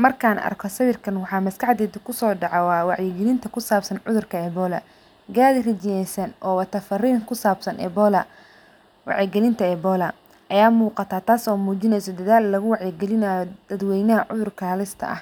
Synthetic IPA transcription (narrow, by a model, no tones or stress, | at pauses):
mɐrkʰaːnɐ̰rkʰɔsɐβɪrkʰɐnwɑħɑːmɐskɐħd̪ɛːd̪ɐkʰʊsɔːɖɑʕɔwɑːwɑʕjɪɡɛlɪnt̪ʰɐkʰʊsaːbsɐnʕʊðʊrkʰɐɛːbɔːlɐ̰ | ɡaːðrɪt͡ʃɪnɛjsɐnʔɔːwɐt̪ʰɐfɐriːŋkʰʊsaːbsɐnʔɛ̰bɔlɐ | wɑ̰ʕjɪɡɛlɪnt̪ʰɐɛbɔːlɐ | ʔɐjaːmuːqɑt̪ʰaːt̪ʰaːsɔːmuːt͡ʃɪnɛjsɔd̪ɐðaːlːɐɣʊwɑʕjɪɡɛlɪnaːjɔd̪̥ɐd̪wɛjnɐɦɐʕʊðʊrkʰaːlɪst̪ʰɐ̰ʔɐ̰h